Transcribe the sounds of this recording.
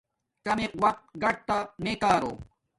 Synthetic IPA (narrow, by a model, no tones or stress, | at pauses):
kɐmeqwɐq̚t̪ɡɐʈ̚t̪ameːkaːɾo̰ː